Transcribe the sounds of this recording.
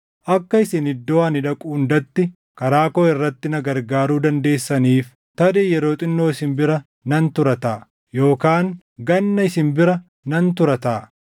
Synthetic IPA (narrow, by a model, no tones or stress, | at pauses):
ʔɐkːɐɪsɪnɪd̪ːoaːnɪᶑɐkʼuːnd̪ɐt̪ːɪ | kɐɾaːkoːɪrːɐt̪ːɪnɐɡɐɾɡaːɾuːd̪ɐnd̪e̞ːsːɐniːf | t̪ɐd̪eːjɛɾo̞ːt̪ʼɪnːo̞ːɪsɪmbɪɾɐ | nɐnt̪ʊɾɐt̪ɐ | jo̞ːkaːŋ | ɡɐnːɐɪsɪmbɪɾɐ | nɐnt̪ʊɾɐt̪ɐː